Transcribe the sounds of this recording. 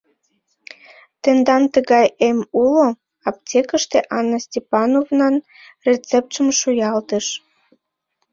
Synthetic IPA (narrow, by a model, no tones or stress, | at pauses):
t̪end̪ɑnt̪əɣɑjemulo | ɑp̚tʲekəʃt̪eʔɑnːəsʲtʲepɑnovnɑn | rʲet͡sep̚t̪ʃəmʃujɑlt̪əʃ